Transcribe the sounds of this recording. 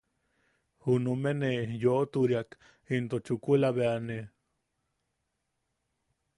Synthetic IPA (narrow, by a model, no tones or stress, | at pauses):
hunumenejoʔt̪uɾiak | int̪ot͡ʃukulaβeane